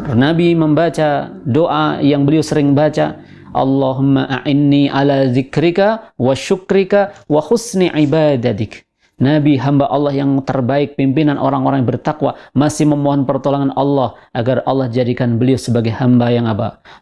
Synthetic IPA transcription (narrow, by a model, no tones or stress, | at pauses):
nabiməmbat͡ʃadoʔa̰jaŋbəliawsəɾɪŋbat͡ʃa | ʔɑ̰lːɑɦʊmːaʔaʔɪnːiʔalaðɪkɾɪkawaʃʊkɾɪkawaxʊsniʕibad̪at̪ɪk | nabiɦambaʔɑlːɑhjaŋt̪ərbaɪk̚pimpinanʔo̰ɾaŋoɾaŋjbərt̪akwamasɪhməmoɦɔnpərt̪olaŋanɑlːɑhʔaɡarɑlːɑhd͡ʒadikanbəliawsəbaɡajhambajaŋapa̰